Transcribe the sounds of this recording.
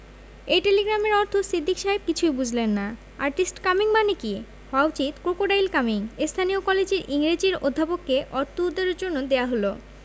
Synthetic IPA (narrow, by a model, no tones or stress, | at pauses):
ejʈeleɡɾameɾɔɾt̪ʰosid̪ʱːikʃaɦeb̚kit͡ɕʰujbud͡ʑʱlenːa | aɾʈisʈkamiŋmaneki | hawt͡ɕit̪kɾokoɽajlkamiŋest̪ʰaniokɔled͡ʑeɾiŋɾid͡ʑiɾod̪ʱːapokːeʔɔɾt̪uud̪ːeɾeɾd͡ʑonːod̪eaɦolo